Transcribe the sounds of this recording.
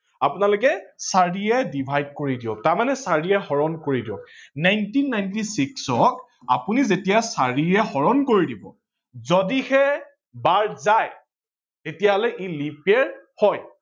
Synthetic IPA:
apʊnalokɛsaɹiɛdibʱajd̚koɹidiɔtaɹmanɛsaɹiɛxɔɹɔnkoɹidiɔ̰knajntinːajntisiksɔk | a̰punizetijasaɹiɛxɔɹɔnkoɹidibɔ̰ | zodixɛ | baɹzaj | tetijaɦɔlɛʔilipɛɹhɔj

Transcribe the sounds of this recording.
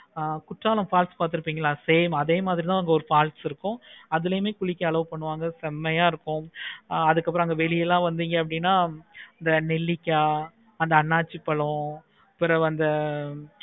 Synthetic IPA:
kʊʈraːlɐmpaːlspaːɾt̪̬ɯɾɯpːiːŋɡɐɭlaːseːmɐðeːmaːðɪɾit̪ãːʋɐŋɡɐɔɾɯfaːlʈsɪɾɯkːʊ̃ɐðɯlɐjɯmeːkʊɭɪkːɐɐɭɐʋɯpɐɳːɯʋaːŋɡɐsɛmːɐjaːɪɾɯkːʊ̃ɐðɯkːɐp̬ːɯɾɔ̃ɐŋɡɐʋɛɭɪjɛlːãːʋɐnd̪iːŋɡɐɐp̬ːɐɽɪnːaːɐnd̪ɐnɛlːɪkʲːaː | ɐnd̪ɐɐnːaːt͡ʃːipːɐɭɔ̃ | pɪɾɐɐnd̪ɐ

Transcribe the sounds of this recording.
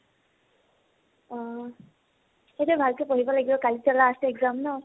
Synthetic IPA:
ɔ | xetubʱalkɔpoɦibɔlaɡibɔkalizalastɛɡzamnɔ

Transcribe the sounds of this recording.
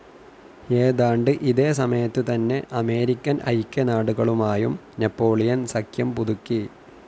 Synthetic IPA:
eːðaːɳɖɨʔiðe̞ːsɐmɐjɐt̪ːɨt̪ɐnːe̞ʔɐme̞ːɾikʲːɐnʔɐ̰jkʲːɐnaːɽuɣɐɭumaːjum | nepːo̞ːɭijɐnsɐkʰjɐmpuðukːi

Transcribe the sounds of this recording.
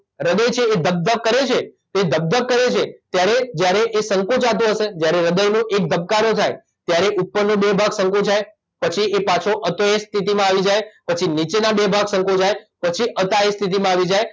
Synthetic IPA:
ɾəd̪əjt͡ʃʰeːd̪ʱəb̚d̪əʋ̚kəɾet͡ʃʰet̪oed̪ʱəb̚d̪əb̚kəɾet͡ʃʰet̪jaɾed͡ʒjaɾeʔesəŋkũt͡ʃat̪̬ũɦəʃed͡ʒjaɾeɾəd̪əjnũʔek̚d̪ʱəb̚kaɾot̪ʰaj | t̪jaɾeʔut̪̚pənːũbebʱaɡsə̃ŋkũd͡ʒʰaj | pət͡ʃʰiepat͡ʃʰoʔət̪oest̪ʰit̪̬imãaʋid͡ʒajpət͡ʃʰinit͡ʃenabebʱaɡsə̃ŋkũd͡ʒajpət͡ʃʰiʔət̪aest̪ʰit̪̬imãaʋid͡ʒaj

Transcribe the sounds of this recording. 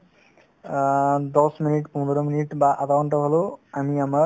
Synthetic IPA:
d̪ɔsminiʈpɔ̃nd̪ʱɔɾɔminiʈbaʔakawɳʈɔɦoloamiama

